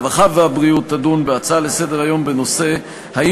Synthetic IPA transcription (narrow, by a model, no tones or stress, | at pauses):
vaχaveabʁiut̪ːadunbeat͡salese̞deʁajo̞mbeno̞se̞ | hai